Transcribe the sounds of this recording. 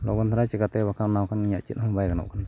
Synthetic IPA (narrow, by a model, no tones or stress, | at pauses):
lo̰kant̪ʰaɾat͡ʃikat̪ebakawnawkanɲat͡ʃḭnamabajɡano̰ʔkan